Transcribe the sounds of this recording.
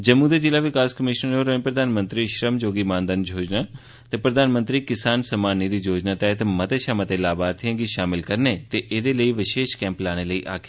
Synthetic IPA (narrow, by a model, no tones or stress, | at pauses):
d͡ʒɐmũːd̪ed͡ʒɪlaʋɪkaːskəmɪʃnəɾoːɾənpɾɐd̪ʱaːnmə̃nt̪ɾiʃɾəmd͡ʒoːɡimãːnd̪ənd͡ʒoːd͡ʒna | t̪epɾɐd̪ʱaːnmə̃nt̪ɾikɪsaːnsɐmaːnːid̪id͡ʒoːd͡ʒnat̪ɛɦt̪mɐt̪eʃaːmɐt̪elaːbaːɾt̪ʰijə̃ɡiʃaːmɪlkɐɾnet̪eʔeːd̪eləiʋɪʃeːʃkɛ̃ːmplaːɽ̃eləiʔa̰ːkʰɪ